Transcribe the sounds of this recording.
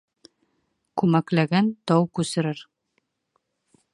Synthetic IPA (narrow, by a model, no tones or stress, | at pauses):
kʉmæklæɡænt̪ɒwkʉsɘ̆ɾɘɾ